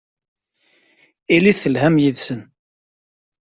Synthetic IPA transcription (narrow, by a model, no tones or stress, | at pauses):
iliθəlɦæmjiðsən